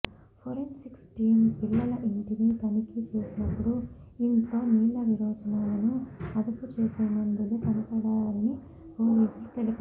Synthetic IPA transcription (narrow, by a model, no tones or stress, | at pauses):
pʰoɾensiksʈiːnpilːɐlɐʔiɳʈinit̪ɐnikit͡ʃe̞ːsinɐpːuɽuiŋkoːniːlɐʋiɾɔːd͡ʒɐnaːlɐnuɐd̪uput͡ʃeːseːmɐnd̪uluk̪ɐnipɐɽaːnːi | hoːʋiːslut̪elipɐ